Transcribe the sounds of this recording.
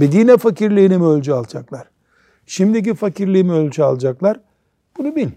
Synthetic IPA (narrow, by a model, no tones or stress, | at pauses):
bid̪iːnɛfaciɾlʲiːnimølʲd͡ʒyalˠd͡ʒaklˠaɾ̥ | ʃimd̪ic̬ifaciɾlʲiimiølʲd͡ʒyalˠd͡ʒaklˠaɾ | b̥unubilʲ